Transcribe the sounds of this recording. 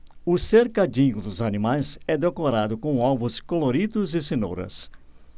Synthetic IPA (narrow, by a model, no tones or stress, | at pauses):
ʊseɾkad͡ʒĩɲʊd̪ʊzanimajzɛd̪ekoɾad̪ʊkõw̃ɔvʊskoloɾid̪ʊzɪseno̰ɾɐ̰s